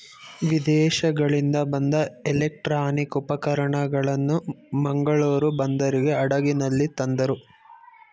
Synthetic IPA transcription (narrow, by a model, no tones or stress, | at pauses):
ʋid̪ɛːʃɐɡɐɭind̪ɐbɐnd̪ɐɛlek̚ʈɾaːnikupɐkɐɾɐɳɐɡɐɭɐnːumɐŋɡɐɭuːɾubɐnd̪ɐɾiɡe̞ɐɽɐɡinɐlːit̪ɐnd̪ɐɾu